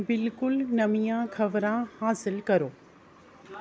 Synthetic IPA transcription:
bɪlkʊlnɐmijãkʰɐʋɾãhaːsɪlkɐɾoː

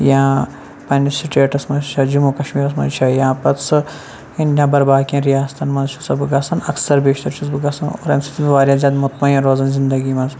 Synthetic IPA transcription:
jãː | pɐnʲsiʈeːʈɐsmɐzt͡ʃʰɐd͡ʒumuːkɐʃmiːɾɐs̬mɐ̰zt͡ʃʰɐjãːpɐt͡sɨ | ɐnjʲãːbɐɾbaːkʲjãːɾijaːst̪ʰɐnmɐnzt͡ʃʰu̥t͡sɐbɨɡɐsɐnɐ̰ksɐɾbeːʃt̪ɐɾt͡ʃʰuzbɨɡɐsɐno̰ɾɐ̰msɐ̥t̪ʰibʋaːɾʲjãːzʲjaːd̪mut̪mɐjɐ̃ɾoːzɐnzind̪ɐɡiːmɐnz

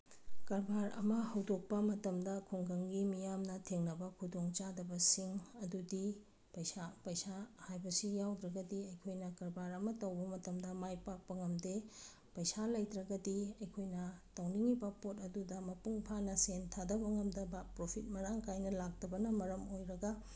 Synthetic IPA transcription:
kɐɾbaɾɐ̰mɐhɐwdok̚pɐmɐtɐmdɐkʰoŋɡɐŋɡimijamnɐtʰeŋnɐbɐkʰudoŋt͡ʃadɐbɐsiŋɐdudi | pɐjsapɐjsahajbɐsijawdɾɐɡɐdiɐjkʰojnɐkɐɾbaɾɐmɐtɐwbɐmɐtɐmdɐmajpak̚pɐŋɐmde | pɐjsalɐjtɾɐɡɐdiɐjkʰojnɐtɐwniŋibɐpotɐdudɐmɐpuŋpʰanɐsentʰadɐbɐŋɐmdɐbapɾopʰit̚mɐɾaŋkʰajnɐlak̚tɐbɐnɐmɐɾɐmojɾɐɡɐ

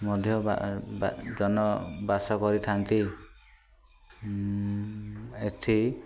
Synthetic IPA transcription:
mɔd̪ʱjɔba̰ | d͡ʒɔnɔbasɔkɔɾit̪ʰant̪i | et̪ʰi

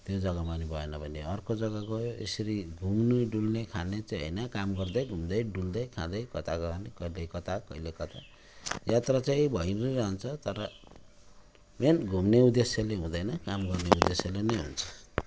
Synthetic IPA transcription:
t̪jod͡zʌɡamanibʱʌenʌbʱʌneʌrkod͡zʌɡakoḛsʌɾiɡʱumnuɖulnekʰanet͡saɦʌ̰jnʌkamɡʌrd̪ʌjɡʱumd̪ʌjɖuld̪ʌjkʰãd̪ʌjkʌt̪akʌanekʌilekʌt̪akʌilekʌt̪a | jat̪rat͡saĩbʱʌjnnʌɾʌɦʌnt͡sʰʌt̪ʌɾʌ | menɡʱumneud̪esjaleɦũd̪ʌjnʌkamɡʌrneud̪esjalenʌjɦṵnt͡sʰʌ̥

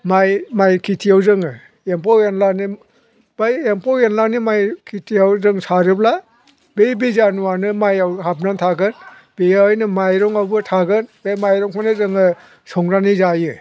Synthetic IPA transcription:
majmajkʰitʰiawzɯŋɯ | empɔenlani | b̥ajempʰɔjenlanimajkʰitʰiawzɯŋsaɾɯbla | bejbizanuwanɯmajawhap̚nantʰaɡɯn | bejaɔjnɯmajɾɔŋawbɯtʰaɡɯnbemajɾɔŋpʰanɯzɯŋɯ | sɔŋɾanizajɯ

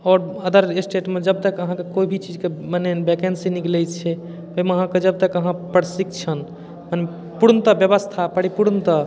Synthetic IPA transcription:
ɔːɾəd̪əɾesʈeʈmed͡ʒəb̚t̪əkəɦãkekoibʱit͡ʃid͡ʒkemanebekensiniklɛt͡ʃʰɛ | pəiməɦãked͡ʒəb̚t̪əkəɦãpəɾsikt͡ʃʰən | mane | puɾnt̪əbjəβəst̪ʰapəɽipuɾnt̪ə

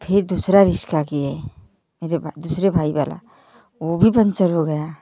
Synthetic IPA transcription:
pʰɪɾd̪uːsɾaɾɪʃkakiɦɛ | meːɾebʱd̪uːsɾebʱaːiwa̰ːla̰ | ʋobʱipə̃nt͡ʃəɾɦoɡɐja

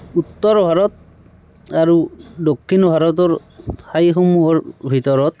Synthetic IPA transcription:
ut̪ːɔɹbʱaɹɔt̪̚ | aɹudokʰːinɔbʱaɹɔt̬ɔɹ | tʰajxomuɔɹbʱitɔɹɔt̪̚

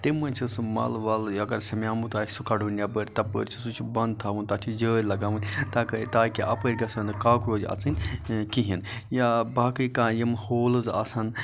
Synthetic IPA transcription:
t̪emɐnʲt͡ʃʰismɐ̰lʋɐlɐɡɐɾsɐmʲaːmut̪aːsukɐɖunʲjabəɾʲt̪ɐpə̰ːɾʲt͡ʃʰisut͡ʃʰubɐnd̪̚t̪ʰaːʋunt̪ɐt͡ʃʰid͡ʒəːɾʲlɐɡaːʋɨnʲt̪akɐt̪aːkiʔɐpəɾʲɡɐsɐnɨkaːkɾoːzʲɐ̰t͡sɨnʲkiɦinjabaːkɨjkãːjɐmhoːlɨzɐ̰sɐn

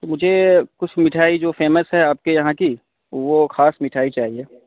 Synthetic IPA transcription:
t̪oːmʊd͡ʒʱekʊt͡ʃʰmɪʈʰaːid͡ʒoːfeːməsɦɛaːp̚kejɐɦãki | ʋoxaːsmɪʈʰaːit͡ʃaːɦieː

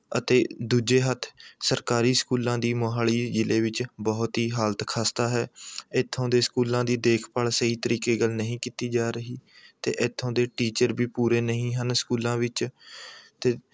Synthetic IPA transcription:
ət̪eːd̪uːd͡ʒeːɦət̪ʰːsəɾkaːɾiːskuːlãːd̪iːmoːɦaːɭiːd͡ʒɪleːʋɪt͡ʃbɔːt̪ɦiːɦaːlt̪kʰaːst̪aːɦɛːɪt̪ʰːõːd̪eːskuːlãːd̪iːd̪eːkʰpaːlsəiːt̪əɾiːkeːɡəlnəɦĩːkiːt̪iːd͡ʒaːɾəɦiːt̪ḛːʔɪt̪ʰːõːd̪eːʈiːt͡ʃəɾbiːpuːɾeːnəɦĩːɦənskuːlãːʋɪt͡ʃ | t̪eː

